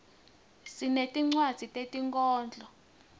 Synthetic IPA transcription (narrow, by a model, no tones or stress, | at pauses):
sinetʼiŋ͡ǀwad̥z̥ʱitʼetʼiŋkʼɔːnd͡ɮʱɔ